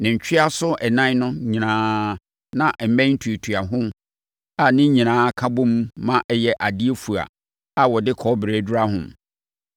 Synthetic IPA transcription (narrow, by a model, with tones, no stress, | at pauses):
nɪ̃˨ɲ̩˨t͡ɕᶣɪ˦a˦sʊ˦ɛ˨nã˦nʊ̃˦ɲĩ˨nãː˦ | nã˨ʔm̩˨mɛ̃˦n̩˦tʰu˨e˨tʰu˨a˨ɦʊ̃˦m | a˨nɪ̃˦ɲĩ˨nãː˦kʰa˦bʊ̃˦mː˦ã˦ʔɛ˦jɛ˦ʔa˨di˦e˦fu˨a̰˨ | a˨wɔ˨dɪ˦kʰɔ˦bɾeː˨˦dʊ˦ɾa˦ɦʊ̃˨m